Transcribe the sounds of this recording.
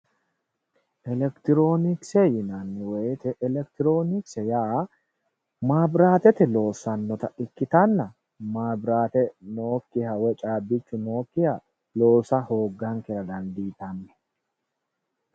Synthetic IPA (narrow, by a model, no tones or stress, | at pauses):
ʔɛlɛkt̪ɪɾo̞ːnɪksejɪnanːɪweːt̪ɛʔɛlɛkt̪ɪɾo̞ːnɪksɛjaː | maːbɾaːt̪ɛt̪ɛlo̞ːsɐnːɔt̪ɐɪkːɪt̪anːɐ | maːbɾaːt̪ɛnoːkːɪhɐwɛt͡ʃʼaːbːɪt͡ʃːʊno̞ːkːɪhɐ | lo̞ːsɐhoːɡːaŋkɛɾɐd̪ɐnd̪iːt̪ɐnːɛ̥